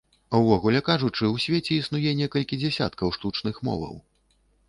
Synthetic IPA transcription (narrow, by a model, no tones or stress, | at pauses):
ɐwvɔɣulʲɛkaʐut͡ʂɨwsʲvʲɛt͡sʲɛisnujɛnʲɛkɐlʲkʲid͡zʲɛsʲa̰t̪kɐwʂt̪ut͡ʂn̪ɨxmɔ̰vɐ̰w